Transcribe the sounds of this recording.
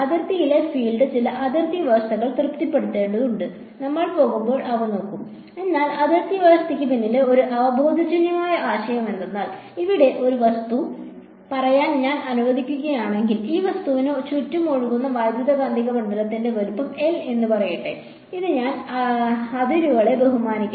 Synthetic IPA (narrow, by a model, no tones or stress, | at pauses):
ɐðɐrt̪ijiɭe̞fiːɭɖɨt͡ɕilɐʔɐd̪ʱɐrt̪iʋɐst̪ɐɣɐɭt̪rɨpt̪ipːe̞ɽut̪ːe̞ːɳɖɐðuɳɖɨ | nɐmːɐɭpo̞ːɣumbo̞ːɭʔɐʋɐno̞ːkːum | e̞nːaːlɐd̪ɐrt̪iʋɐst̪ikʲːɨpinːileo̞ɾuʔɐʋɐbʱo̞ːd̪ʱɐd͡ʑɐnjɐmaːjɐʔaːɕɐjɐme̞nd̪enːaːl | iʋiɽe̞ʔo̞ɾuʋɐst̪u | pɐrɐjaːnɲaːnɐnuʋɐd̪ʱikʲːuɣɐjaːɳe̞ŋɡiliːʋɐst̪uʋinɨt͡ɕutːumoːɻuɣunːɐʋaːjd̪ʱjɐðɐɡaːnd̪ʱiɣɐmɐɳɖɐlɐt̪ːinde̞ʋɐɾupːɐme̞le̞nːɨpɐrɐjiʈːḛ | iðɨɲaːn | ɐðiɾuɣɐɭe̞be̞ɦumaːnikʲː